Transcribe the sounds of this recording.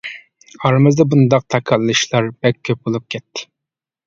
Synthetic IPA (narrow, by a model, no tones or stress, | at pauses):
ɑɾmɨzd̪ɑbund̪ɑq̚t̪ʰɑkʰɑlˠːɨʃlˠɑɾbɛkʲʰːøp̚bolˠup̚kʲʰɛt̪ʰːɪ̥